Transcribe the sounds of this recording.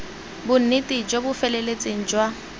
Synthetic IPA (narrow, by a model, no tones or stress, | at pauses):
bʊn̩nɪtʼɪd͡ʒobʊfɛlɛlet͡sʼeŋ̩d͡ʒwa